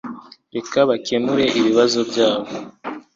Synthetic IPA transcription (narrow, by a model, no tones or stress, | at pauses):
ɾe̞kaβake̞muɾe̞ʔiβiβazo̞bɟaːβo